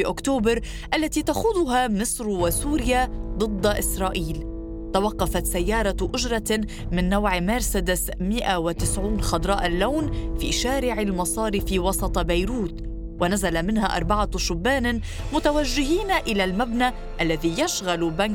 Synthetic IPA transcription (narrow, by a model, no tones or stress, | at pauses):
iʔʊkt̪oːbɪɾ | ʔalːat̪iːt̪axuːðˤʊɦamɪsɾwasuːɾjad̪ˤɨd̪ˤːʔɪsɾˤɑːʔiːl | t̪awɑqːɑfat̪sajːɑːɾˤɑʔʊʒɾˤɑ | mɪnːawʕmaɾsad̪ɪsmɪʔawɪt̪ɪsʕuːnxɑd̪ɾˤɑːʔɪlːawnfḭːʃaːɾɪʕɪlmɑsˤɑːɾifiːwɑsˤɑt̪ˤbajɾuːt̪ | wanazalamɪnhaʔɑ̰ɾˤbɑʕaʃʊbːaːn | mʊt̪awaʒːɪɦiːnʔɪlalmabna | ʔalːaðijaʃɣalban